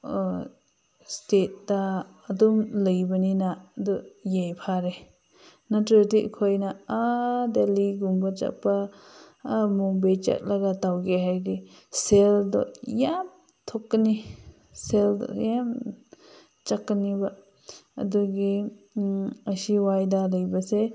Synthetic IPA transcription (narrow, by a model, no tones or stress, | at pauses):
stet̚daː | dumləjbəninadɔjajpʰaɾe | natɾetiʔkʰɔjnaadeliɡumbat͡ʃa̰pa | mubejt͡ʃḛk̚laɡatawɡeɦajdi | seldɔ̰jam | tʰɔkːəni | seldɔ̰jam | t͡ʃakːaniba | ɐ̰duɡi | əsiwajdaləjbase